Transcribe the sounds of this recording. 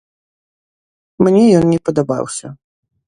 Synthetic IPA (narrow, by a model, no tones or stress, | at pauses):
mnʲɛjɔnnʲɛpɐd̪aba̰wsʲɐ